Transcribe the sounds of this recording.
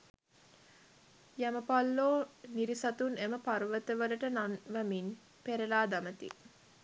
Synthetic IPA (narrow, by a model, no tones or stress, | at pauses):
jæməpalːoːniɾisat̪uneməparʋət̪əʋələʈənanʋæmin | peɾelaːd̪amət̪ḭ